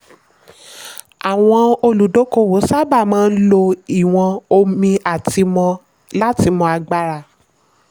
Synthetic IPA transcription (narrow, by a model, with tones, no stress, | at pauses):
a˨w̃ɔ̃˧o˧lu˨˦do˨˦ko˦wo˨˦sa˦ba˦˨mãː˦˧n̩˦lo˧i˦˨w̃ɔ̃˧o˧mĩ˧ʔa˨ti˧mɔ̃˧ | la˦ti˧mɔ̃˧a˧ɡ͡ba˧ɾa˧˨